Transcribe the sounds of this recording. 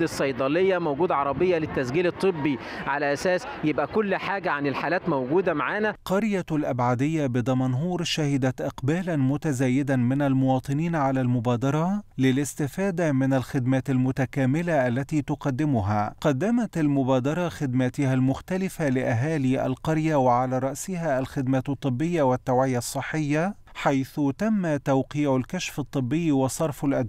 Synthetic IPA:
ɪsːɑjd̪ˤɑlejːæmowɡuːd̪ʕɑɾˤɑbɪjːælɪt̪ːæsɡiːlɨt̪ˤːɨbːi | ʕalæʔæsæːs | jebʔækʊlːħaːɡæʕanɪlħaːlæːt̪mowɡuːd̪æmaʕaːnæqɑɾjalʔabʕad̪ɪjːabɨd̪ˤɑmɑnɦuːɾʃahɪd̪æt̪ʔɪqbaːlanmʊt̪æzæːjɪd̪anmɪnalmʊwɑːt̪ˤɨniːnʕalæːlmʊbæːd̪ɑɾˤɑlɪlɪst̪ɪfaːd̪amɪnalxɪd̪maːt̪almʊt̪akaːmɪlaʔalːat̪iːt̪ʊqɑd̪ːɪmʊɦaːqɑd̪ːamat̪almʊbaːd̪ɑɾˤɑxɪd̪mat̪ɪhalmʊxt̪alɪfalɪʔaɦaːliːʔa̰lqɑɾjawɪʕalaːɾˤɑʔsɪhaːʔalxɪd̪maːt̪ɑt̪ˤːɨbːɪjːawat̪ːawʕɪjasˤːɨħːɪjːa | ħajθʊt̪amːat̪awqiːʕʊlkaʃfɑt̪ˤːɨbːɪjːwɑsˤɑɾˤfalʔad̪

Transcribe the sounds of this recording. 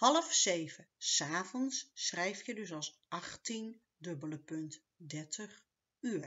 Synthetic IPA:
hɑləfsejvəsaːvɔnsːrɛjftjədɵsɑlˠsʔɑχtin | dɵbələpɵnt | dɛɹtʰəχ | yːɹ

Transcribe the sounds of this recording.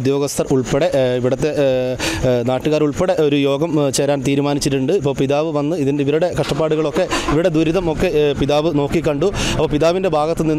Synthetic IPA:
d̪jo̞ːɡɐst̪ʰɐruɭpeɽe̞ʔiʋiɽɐt̪ːe̞ | naːʈːuɣaːɾuɭpeɽeʔo̞ɾujo̞ːɡɐmt͡ɕe̞ːɾaːnt̪iːɾumaːnit͡ɕːiʈːuɳɖɨipːoːɭpiðaːʋɨʋɐnːɨiðiniʋɐɾuɽe̞kɐʂʈɐpːaːɽuɣɐɭo̞kːe̞iʋiɽe̞d̪uɾiðɐmo̞kːe̞piðaːʋɨno̞ːkːikːɐɳɖuɐpːoːpiðaːʋindebʱaːɡɐt̪ːɨninː

